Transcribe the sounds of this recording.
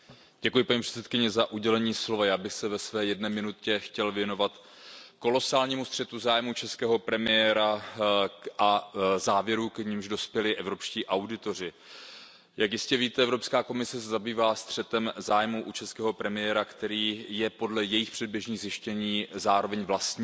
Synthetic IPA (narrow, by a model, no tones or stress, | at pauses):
ɟ̥ɛkujɪpaɲiːpr̥ɛ̥t͡sɛt̪̚kɪɲɛzaʔuɟɛlɛɲiːslo̞vajaːbɪxsɛvɛsvɛːjɛdnɛːmɪnutcɛxcɛlvjɛno̞vat̪ | ko̞lo̞saːlɲiːmust̪r̥ɛt̪uzaːjmut͡ʃɛskɛːɦo̞pɾɛmɪjɛːɾa | ʔazaːvjɛɾukɲimʒdo̞spjɛlɪʔɛvɾo̞pʃciːʔawdɪt̪o̞r̝ɪ | jakjɪscɛviːt̪ɛʔɛvɾo̞pskaːko̞mɪsɛsɛzabiːvaːst̪r̝̥ɛt̪ɛmzaːjmuʔut͡ʃɛskɛːɦo̞pɾɛmɪjɛɾakt̪ɛɾiːjɛpo̞dlɛjɛjɪxpr̥ɛd̚bjɛʒɲiːɣzjɪʃcɛɲiːzaːɾo̞vɛɲvlast̪ɲː